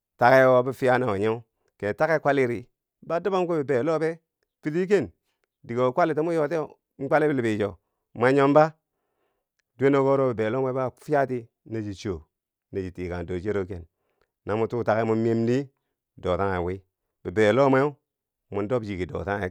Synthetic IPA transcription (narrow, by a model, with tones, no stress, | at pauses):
ta˨ke˦wo˦bi˦fi˦ja˦na˨wo˨ɲe˦ | ke˨ta˦ke˦kʷa˦li˦ɾi˨ | ba˦du˦ba˦mko˦bi˨be˨lo˦be˦ | pi˦ti˦k̬e˦˨n | di˨ɡo˨kʷa˦li˨to˦mu˦jo˨te˦o˨ | m̩˦kʷa˦li˦bi˨li˨bi˨d͡ʒo˨ | ma˦ɲo˦mba˦ | du˦e˦no˦ɡo˦ɾo˦bi˨be˨lo˦m˦e˦ba˦˨˦fi˦ja˦ti˦ | ne˦d͡ʒi˨t͡ʃo˨ | ne˨d͡ʒi˨ti˨ka˨n˨do˨d͡ʒe˦ɾo˦ke˨n | na˨mu˦tu˦ta˨ke˦mu˦me˦mni˦ | do˨ta˦ŋa˨wi˦ | b̥i˨be˨lo˦me˦u˦ | mu˨n˦do˦bd͡ʒi˨ki˨do̰˨ta˦ŋa˨